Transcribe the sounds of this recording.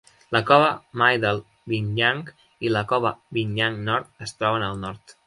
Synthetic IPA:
ləkɔβəmajðəlˠ | βiɲʎaŋk | iləkɔβəβiɲʎaŋnɔɾt̪̚əst̪ɾɔβənəlˠnɔɾt̪

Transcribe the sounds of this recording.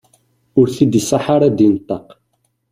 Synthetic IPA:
ʊɾθid̪isaħaɾad̪int̪ˤːɑq

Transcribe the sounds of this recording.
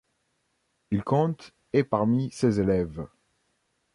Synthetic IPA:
ilkɔ̃t̪ | epaʁmisezelɛv

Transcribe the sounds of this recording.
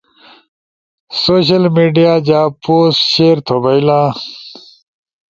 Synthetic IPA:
soːɕ̬ɐlmiːɖijaːd͡ʑaːpoːsɕeːɾt̪ʰobɐilãː

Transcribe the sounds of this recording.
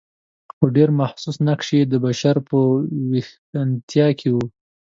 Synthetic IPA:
xoɖeɾmahsusnakʂed̪əbaʃaɾpəwex | ant̪ʰjɑkʰewu

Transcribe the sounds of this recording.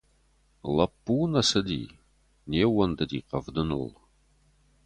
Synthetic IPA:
lɐpːuːnɐsɐdḭː | neːwɐndɐdḭːqɐvdɨnṵl

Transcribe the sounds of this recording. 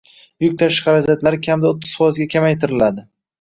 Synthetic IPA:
jʊk̚ʲt̪ʰaʃχɑɾad͡ʒat̪laɾɪkʲʰamd̪aot̪ʰːɪz̥fɒjɪzɡʲakʲʰamajt̪ʰɪɾɪlad̪ɪ

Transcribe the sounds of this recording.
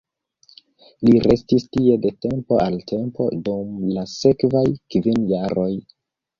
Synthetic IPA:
liɾe̞stistie̞de̞te̞mpoʔaltʰe̞mpo̞̰dumlase̞kvajkvinjaɾo̞j

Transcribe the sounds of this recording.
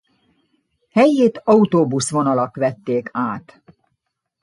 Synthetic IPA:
hɛjːeːt̪ɒut̪oːbusʋo̞nɒlɒkʋɛt̪ːeːkʰaːt̪

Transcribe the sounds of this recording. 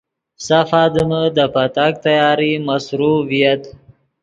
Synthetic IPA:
safaːd̪əməd̪əpat̪ak̚t̪ajɑːɾimasɾuvijat̪

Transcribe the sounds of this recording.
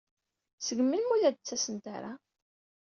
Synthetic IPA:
səɡmːilmuðæd̪̚t͡sːæsənt̪a̰ɾa

